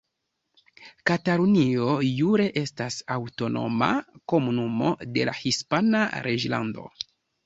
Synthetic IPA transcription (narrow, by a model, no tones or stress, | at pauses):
kataɾunio̞juɾe̞ʔe̞stasawto̞no̞̰ma̰ko̞munumo̞̰de̞la̰hispanaɾʔe̞d͡ʒla̰ndo̞̰